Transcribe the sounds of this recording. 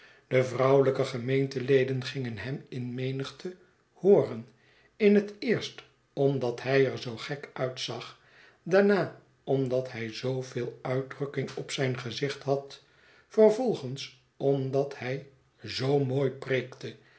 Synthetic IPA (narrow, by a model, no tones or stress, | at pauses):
d̥əvrʌwləkəχəmejntəlejdənχɪŋənɦɛmɪnmejnəχtʰə | hoːrən | ɪnɦətɪːɹst | ɔmdɑtɦɛjəɹzowχɛkœɥtsɑχ | daːɹnaː | ɔmdɑthɛjzowvɪːlˠœɥdrɵkɪŋɔpsɛjnχəzɪχtɦɑt | fərvɔlˠχəns | ɔmdɑthɛj | zowmoːjprejktə